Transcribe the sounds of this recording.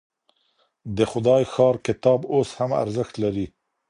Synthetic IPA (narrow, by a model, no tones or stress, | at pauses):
d̪əxʊd̪ɑjxɑɾkɪt̪ɑboshama̰ɾzəxt̪laɾi